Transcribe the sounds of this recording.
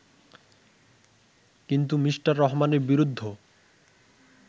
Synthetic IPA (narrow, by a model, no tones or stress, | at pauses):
kint̪umiʃʈaɾːɔɦmaneɾbiɾud̪ʱːo